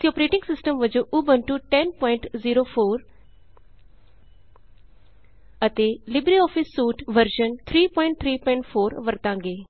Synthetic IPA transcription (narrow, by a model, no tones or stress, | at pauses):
t̪iɔːpɾeːʈɪ̃ŋɡsɪsʈəmʋəd͡ʒõːʔubənʈuːʈɛnpɔːɪ̃ɳʈziːɾoːpʰoːɾ | ət̪eːlɪbɾiːɔːpʰɪsːuːʈʋəɾʃənt̪ʰɾiːpɔːɪɳʈ̚t̪ʰɾiːpɔ̃ɪɳʈpʰoːɾʋəɾt̪ãːŋɡeː